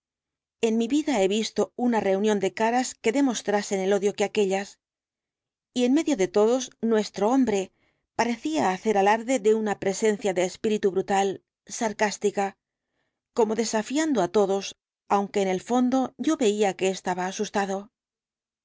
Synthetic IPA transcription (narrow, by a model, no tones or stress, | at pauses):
e̞nmiβiðae̞βist̪o̞unare̞unjo̞nd̪e̞kaɾaske̞ðe̞mo̞st̪ɾase̞ne̞lo̞ðjo̞keake̞ʎas | ie̞nme̞ðjo̞ðe̞t̪o̞ðo̞znwe̞st̪ɾo̞o̞mbɾe̞ | paɾe̞θiaːθe̞ɾalaɾðe̞ðe̞unapɾe̞se̞nθjaðe̞ːspiɾit̪uβɾut̪al | saɾkast̪ika | ko̞mo̞ðe̞safjand̪o̞at̪o̞ðo̞s | awŋke̞ːne̞lfo̞nd̪o̞ʝo̞βe̞iake̞ːst̪aβaːsust̪aðo̞